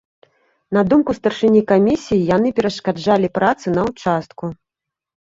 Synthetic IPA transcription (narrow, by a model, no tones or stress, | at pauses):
nɐd̪umkust̪ɐrʂɨnʲikamʲisʲijijan̪ɨpʲɛɾɐʂkad͡ʐalʲipɾat̪sɨnɐwt͡ʂast̪̚ku